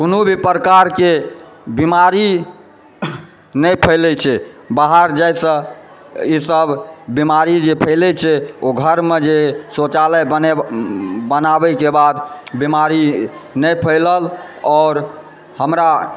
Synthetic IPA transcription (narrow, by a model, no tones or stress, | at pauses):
konubʱipɾəkaɾkebimaɾi | nəjpʰəɪlɛt͡ʃʰɛbaɦaɾd͡ʒajsə̃ | isəbbimaɾid͡ʒepʰəɪlɛt͡ʃʰɛoɡʱəɾmed͡ʒesot͡ʃaləjəne | bənabəkebad̪bimaɾinəpʰəɪləlɔːɾ | həmɾa